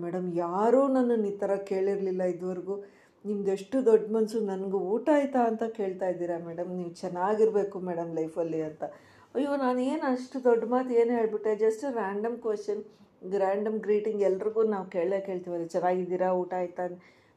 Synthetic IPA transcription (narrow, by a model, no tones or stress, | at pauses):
mɛːɽɐmjaːɾuːnɐnːuniːt̪ɐɾɐke̞ːɭiɾlilːɐid̪ʋɐɾɡuː | nimɐd̪eʂʈud̪ɔɖːmɐnsunɐnɡuuːʈaːjt̪aːnt̪ɐke̞ːɭt̪aːjid̪iːɾamɛːɽɐmniːʋt͡ʃɛnːaːɡiɾbe̞ːkumeːɽɐmlɐjfʰɐlːiɐnt̪ɐ | jiɐnaːnue̞ːnɐʂʈud̪ɔɖːmaːt̪e̞ːnɦe̞ːɭbiʈːed͡ʒɐsʈɾaːɳɖɐmkʋesʈɐnɡɾaːɳɖɐmɡɾiːʈiŋɡɛlːɐɾiɡuːnaːʋke̞ːɭlekeːɭt̪iʋaɾet͡ʃɛnaːɡid̪iːɾauːʈaːjt̪ːan